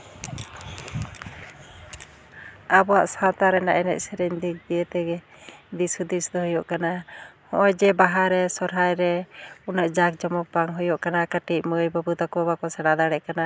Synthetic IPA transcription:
abɔwa̰ʔsat̪aɾɛna̰ʔɛnɛ̰c̚sɛɾɛɲd̪ik̚d̪iət̪ɛɡɛ | d̪isud̪isd̪ɔɦɔjɔʔkanahɔʔɔd͡ʒɛbaɦaɾɛsɔɾɦajɾɛunaʔd͡ʒak̚d͡ʒɔmɔbaŋɦɔjɔʔkanakaʈic̚məjbabut̪akɔbakɔsɛɽad̪aɽɛʔkana

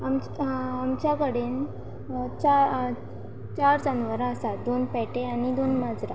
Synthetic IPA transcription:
amt͡ɕamt͡ɕjakəɽen | t͡ɕa | t͡ɕaɾd͡zanʋaɾaəsad̪onpɛʈeanid̪onmad͡zɾa

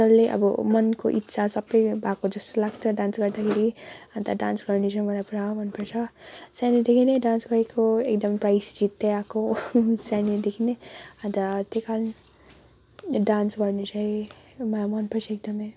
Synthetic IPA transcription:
ʌlːeʔʌ̰bʌ̰mʌnkoʔit̪ːsʰasʌbːʌjbʱakod͡zʌst̪olaɡtʰʌɖãnsɡʌɾd̪akʰeɾiɦʌ̃nt̪aɖãnsɡʌrnet͡sʰʌmʌlajpɾaw̃bʱʌnpʌrt͡sʰʌsanid̪ekʰineɖansɡʌɾekoekd̪ʌmprajsd͡zit̪ːeakosanid̪ekʰineɦʌ̃nt̪at̪ekaln | ɖansɡʌrnet͡sʰʌĩ | mʌlamʌnpʌrt͡sʰek̚d̪ʌmʌj

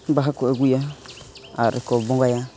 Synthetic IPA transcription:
baxakoeɡʷuja | aɾʔḭkobõɡaja

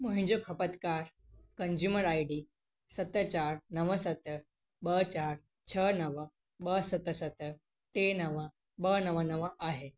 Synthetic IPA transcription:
moɦĩɲd͡ʑokʰəpət̪kaɾ | kənzuməɾajɽi | sət̪ːət͡ɕaɾnəʋəsət̪ə | bət͡ɕaɾ | t͡ɕʰənəʋə | bəsət̪əsət̪ə | t̪enəʋə | bənəʋənəʋəʔaɦe

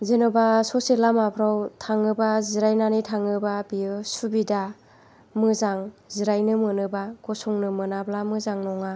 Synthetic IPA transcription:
zenɯbasɔselamapʰɾawtʰaŋɯbaziɾajnanitʰaŋɯbabiɯsubida | mɯzaŋziɾajnɯmɯnɯbaɡ̥ɔsɔŋnɯmɯnablamɯzaŋnɔŋa

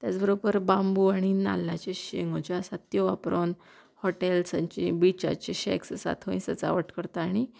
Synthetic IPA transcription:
t̪jat͡sbʱəɾobəɾbambuaɽ̃ina̰lːat͡ɕeɕeŋot͡ɕaasat̪joʋapɾon | hɔʈelsaɲt͡ɕĩbit͡ɕa̰t͡ɕeɕɛ̰kssa̰t̪ʰoĩsət͡sa̰ʋəʈʰkəɾt̪aaɽ̃i

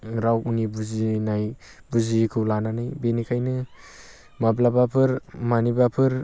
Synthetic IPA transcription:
ɾawunibuzinaj | buzikʰɯwlananajbenikʰajnɯ | mablabapʰɯɾmanibapʰɯɾ

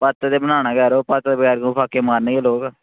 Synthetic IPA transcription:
pət̪d̪eːbənaːnaːɡɛːɾoːpət̪ːd̪ebəɡɛːɾɡopʰaːkeːmaːɾneːɡeːloːɡ

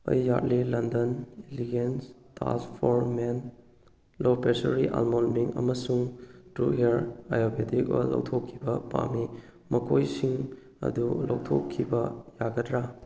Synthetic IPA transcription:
ɐ̰jːat̚lilɐndɐniliɡenstʰa̰spʰoɾmen | lopesɐɾiʔa̰lmolmiŋɐ̰mɐsuŋtɾṵɦeɾajobedik̚ɔ̰lɐ̰wtʰokʰːibɐpa̰mi | mɐkʰojsiŋ | ɐ̰dulɐwtʰo̰kʰːibɐjaɡɐtɾa

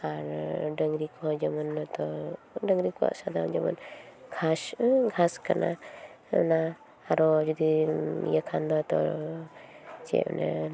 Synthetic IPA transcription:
aɾɖəŋɾikɔd͡ʒamɔnt̪ɔɖəŋɾikua̰ʔsad̪amd͡ʒamɔ̰nɡʰasɡʱaskana̰ | na | aɾɔd͡ʒɔd̪ijəkʰand̪ɔt̪ɔ̰ | t͡ʃɛ̰nɛ̰

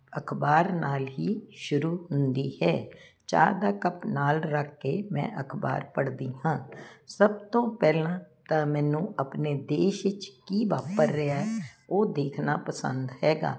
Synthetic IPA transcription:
əkʰbaːɾnaːlɦiːʃʊɾuːɦʊnd̪iːhɛː | t͡ʃa̰ːd̪aːkəpnaːlɾəkʰːeːmɛ̰̃ːʔəkʰba̰ːɾpəɽd̪iːɦãːsəbt̪õːpɛːlãː | t̪amɛ̃ːnũːəpneːd̪eːʃɪt͡ʃkiːʋaːpəɾːɪaːɛoːd̪eːkʰnaːpəsə̰̃nd̪hɛːɡa̰ː

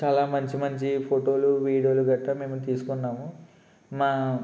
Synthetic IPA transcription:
t͡ʃaːlaːmɐɲt͡ʃimɐɲt͡ʃipʰoʈo̞ːluʋiːɽioːluɡɐʈːɐme̞ːmut̪iːsu̥kuɳːaːmu | maː

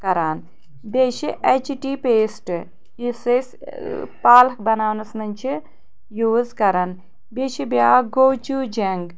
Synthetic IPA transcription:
kɐɾaːn | beːʃiʔet͡ʃʈiːpeːsʈ | ises | paːlbɐnaːwnɐsnɐnʲt͡ʃʰi | juːzkɐɾan | beʃibjaːɡoːt͡ʃuːd͡ʒeŋɡ

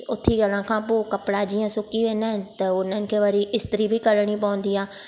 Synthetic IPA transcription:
ʊt̪ʰːiːɡəlãːkʰãːpoːkəpɽad͡ʒiːãːsʊkiʋẽːnaɦɪnɪ̆t̪ɐʊnənɪ̆kʰeːʋəɾiɪst̪ɪɾiːbʱiːkəɾɽ̃iːpəʊ̃nd̪iːãː

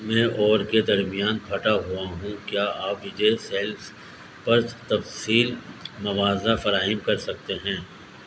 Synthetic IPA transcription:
mɛ̃ːʔɔːɾked̪ɐɾmijaːnbʰʱɐʈaɦuaɦũkjaːʔaːpʋɪd͡ʒeseːls | pɐɾt̪ɐfsiːlmɐʋaːzafɐɾaːɦɪmkɐɾsɐk̚t̪eɦɛ̃ː

